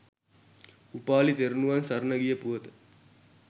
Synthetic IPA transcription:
upaːlit̪eɾunuʋɐnsɐɾnɐɡijəpuʋɐt̪ə̥

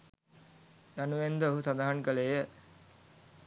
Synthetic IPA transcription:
januʋend̪əoɦusad̪aɦaŋkəlejə

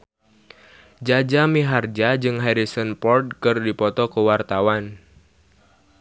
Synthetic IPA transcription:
d͡ʒad͡ʒamiɦard͡ʒad͡ʒɨŋɦaɾisənpɔrd̚kɨrdipɔt̪ɔkəwart̪awan

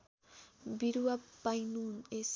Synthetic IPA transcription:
biɾuapajnunes

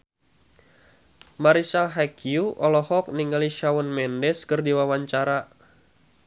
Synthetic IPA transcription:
maɾisaɦakiuʔɔlɔhɔk̚niŋaliʃawɔnmɛndɛskɨrdiwawaɲt͡ʃaɾa

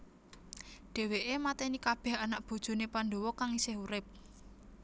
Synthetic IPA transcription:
ɖ̪̥e̤weʔemat̪ɛnikab̥ɛ̤hanaʔb̥o̤d̥ʒ̥o̤nepandowɔkaŋisɪɦuɾɪp̚

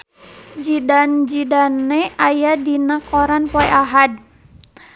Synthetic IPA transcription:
d͡ʒidand͡ʒidanːɛajadinakɔɾanpoɛʔaɦad

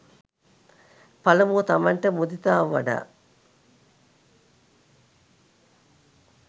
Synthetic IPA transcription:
pɐlɐmut̪ɐmɐɳʈɐmud̪it̪aːʋʋɐ̰ɖa̰ː

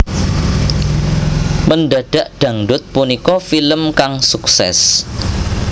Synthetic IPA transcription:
məndaɖ̥aʔɖ̥ä̤ŋɖʊt̪̚punikɔfiləmkaŋsuksɛ̰s

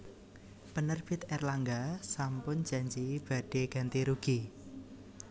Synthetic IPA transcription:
pənərb̥ɪt̪̚ɛrlaŋɡasampʊn̥d͡ʒ̥a̤ɲd͡ʒib̥a̤ɖ̥eɡ̥ant̪iɾuɡ̥i

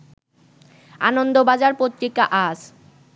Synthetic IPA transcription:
a̰nond̪obad͡ʑaɾpot̪ːɾikːaʔaʃ

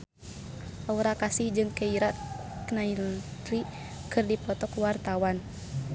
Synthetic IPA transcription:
ʔauɾakasihd͡ʒɨŋkɛiɾat̪knailt̪ɾi | kɨrdipɔt̪ɔkwart̪awan

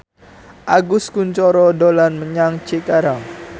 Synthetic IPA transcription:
ʔaɡʊskuɲt͡ʃɔɾɔdolanməɲaŋt͡ʃikaɾaŋ

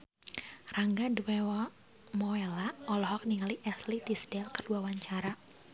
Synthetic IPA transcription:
raŋɡaduewɔ | mɔelaʔɔlɔɦɔk̚niŋaliʔɛslidisdɛlkərduawaɲt͡ʃaɾa

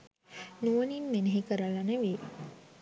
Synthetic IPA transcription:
nuʋəninmeneɦikəɾəlanəʋeː

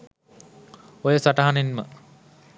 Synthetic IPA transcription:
ojəsaʈɐɦanenmə̰

